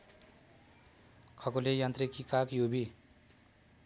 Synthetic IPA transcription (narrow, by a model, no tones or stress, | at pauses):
kʰʌkolejant̪rikikakjobi